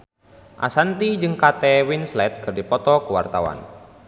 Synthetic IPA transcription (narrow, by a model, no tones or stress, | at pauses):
ʔa̰sant̪id͡ʒɨŋkat̪ɛwinslɛt̪̚ɡ̥ərdipɔt̪ɔkuwa̰rt̪awa̰n